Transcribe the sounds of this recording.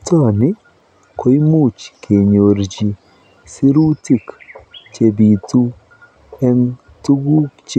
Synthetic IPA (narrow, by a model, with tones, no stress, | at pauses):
tɔ˦˨nɪ˦ | kʰo˨˦i˦mu˦˨t͡ʃke˨ɲo˨ɾd͡ʒi˨ | si˦ɾu˦ti˦˨kt͡ʃe˨bi˨tu˦ | ɛ˦n | tu˦ɡu˦t͡ʃ